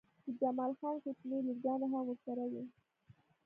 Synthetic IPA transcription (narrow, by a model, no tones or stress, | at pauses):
d̪əd͡ʒamɑlxɑnxʊt̪neliɾɡɑnaɦamwəɾsaɾawi